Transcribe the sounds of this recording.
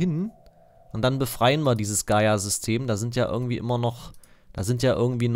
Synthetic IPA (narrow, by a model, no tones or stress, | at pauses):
ɪn | ʔʊntd̥anbəfʁ̥aɪənviːɐdiːzəsɡ̥aɪazʏstʰeːmdaːzɪntjaːʔɪ̰ɐɡŋ̩tv̥iːʔɪ̰mɐnɔχd̥aːzɪntjaːʔɪ̰ɐɡŋ̩tv̥iːn